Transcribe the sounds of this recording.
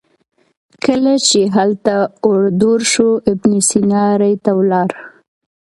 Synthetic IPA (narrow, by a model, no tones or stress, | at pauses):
kəlat͡ʃeɦalt̪aʊɽd̪oɾʃoɪbnisinɑɾajt̪awlɑɾ